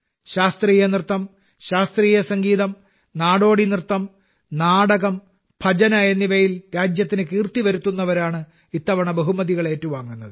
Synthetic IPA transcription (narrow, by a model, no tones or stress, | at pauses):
ɕaːst̪riːjɐnirt̪ːɐm | ɕaːst̪riːjɐsɐŋɡiːðɐm | naːɽo̞ːɽinirt̪ːɐm | naːɽɐɣɐm | b̥ʱɐd͡ʑɐnaːjɐnːiʋɐjilɾaːd͡ʑjɐt̪ːinɨkiːrt̪iʋɐɾut̪ːunːɐʋɐɾaːɳɨ | it̪ːɐʋɐɳɐbeɦumɐðiɣɐɭe̞ːtːuʋaːŋːunːɐðɨ